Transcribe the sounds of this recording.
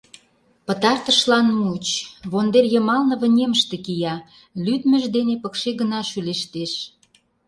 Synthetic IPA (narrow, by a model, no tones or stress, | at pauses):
pə̆t̪ɑrt̪əʃlɑnmut͡ɕβond̪erjə̆mɑlnə̆βə̆nʲeməʃt̪ekijɑ | lyd̪mə̆ʒd̪enepə̆kʃeɡənɑʃyleʃt̪eʃ